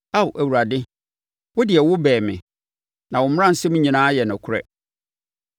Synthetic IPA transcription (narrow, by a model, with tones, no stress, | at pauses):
a˦˨wʔæ˨wu˨ɾa˨dɪ˦ | wʊ˦dɪ˨ɛ˨wʊ˦bɛː˨mɪ̰̃˨ | nã˨wʊ̃˨mʊ˦ã˦n̩˨sɛ˦mũ˦ɲĩ˨nãː˦jɛ˨nʊ̃˨kʰʊ˦ɾɛ̰˦